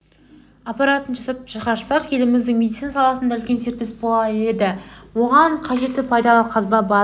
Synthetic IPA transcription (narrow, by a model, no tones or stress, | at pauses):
ɑpɑɾat̪ənʒɑsɑəpʃəʁɑɾsɑqje̞lɪmɪzd̪ɪŋmed̪it̪sinasɑlˠɑsənd̪ɑʏlkʲe̞nse̞ɾpe̞sbo̞lˠɑe̞d̪ɪwo̞ʁɑɴqʰɑʒe̞t̪ːɪpʰɑjd̪ɑlˠəqʰɑzbɑbɑ